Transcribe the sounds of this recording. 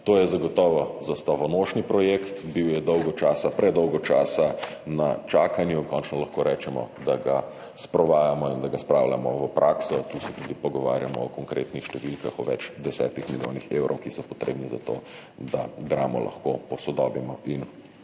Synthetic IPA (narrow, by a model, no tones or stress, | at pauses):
t̪oːjɛzaɡɔt̪ɔːʋɔzast̪ɔʋɔnoʃnipɾɔjekt̪biwjɛd̪ɔwɡɔt͡ʃaːsapɾɛd̪ɔwɡɔt͡ʃaːsana̰t͡ʃaːkanjuŋkɔnt͡ʃnɔlɐxkoːɾɛːt͡ʃɛmɔ̰d̪aɡa | spɾɔʋaːjamɔind̪aɡaspɾawla̰mɔʋəpɾʔaːksɔt̪usɛt̪uːd̪ipɔɡɔʋa̰ːɾjamɔ̰ːkɔŋkɾḛt̪nixʃt̪ɛʋilkaxɔʋɛ̰t͡ʃd̪ɛsɛ̰ːt̪ixmiljo̰ːnixḛwɾʔɔwkisɔpɔt̪ɾḛːbniza̰t̪o̰ː | d̪aɡ̪ɾaːmɔ̰lʔa̰xkopɔsɔd̪ɔːbimɔʔin